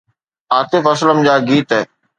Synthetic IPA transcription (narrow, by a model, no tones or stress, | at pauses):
aːt̪ɪfɐsləmd͡ʑaːɡiːt̪ɛː